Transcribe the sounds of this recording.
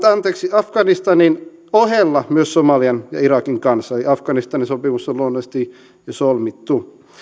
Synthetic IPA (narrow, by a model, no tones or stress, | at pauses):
t̪ɑnt̪eːksiɑfkɑnist̪ɑnin | oɦelːɑmyøssomɑliɑnjɑ̰iɾɑkiŋkɑnsɑeliɑfkɑnist̪ɑninsopimusːoluonːest̪i | jɑsolmit̪ːu